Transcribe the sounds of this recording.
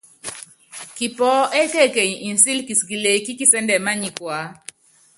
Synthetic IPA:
ki˨pɔ˨˦ɛ˦ke˦˨ke˨ɲ˨i˨nsi˦lki˨ski˨le˨ki˦ki˦sɛ˦ndɛ˨ma˦ɲi˨kwa˨˦

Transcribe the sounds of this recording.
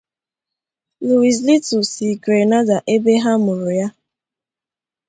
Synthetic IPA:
lu˨i˨s̬li˦tu˨si˨ɡɾe˨na˦da˨ʔe˦be˦ɦa˦mʊ˨ɾʊ˨ja˦

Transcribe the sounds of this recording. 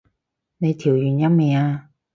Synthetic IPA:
ne˨˧jt̪ʰiː˨˩wjyː˨˩njɐ˥mmɛː˨˧aː˧

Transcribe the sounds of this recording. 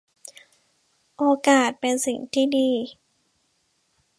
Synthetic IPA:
ʔoː˧kaː˨˩t̪̚pe˧nsi˨˩ŋt̪ʰiː˥˩diː˧

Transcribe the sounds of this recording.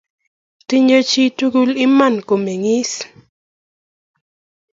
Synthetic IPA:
tɪ˦ɲo˦t͡ʃi˦tu˦ɡu˦lɪ˦ma˦˨nko˨me˨ŋɪ˦s

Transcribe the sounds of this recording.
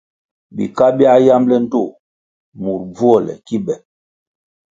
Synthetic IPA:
bḭ˨ka˦bi˦a˦ja˦mlɛ˦n̩˦to˦˨ | mu˨ɾb͡vu˦ɔ˦˨lɛ̰˨ki˦bɛ˨

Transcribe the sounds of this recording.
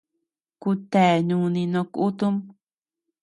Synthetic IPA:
ku˧t̪e˨ɲũ˧nĩ˧nõ˧ku˦t̪u˦m

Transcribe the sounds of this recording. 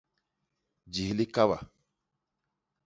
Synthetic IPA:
d͡ʒi˨hli˦ka˦ba̰˨

